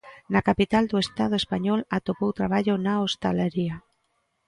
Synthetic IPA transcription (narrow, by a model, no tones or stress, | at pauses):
nakapit̪ald̪uest̪að̞oespaɲɔlat̪opowt̪ɾaβ̞aʎonaost̪aleɾia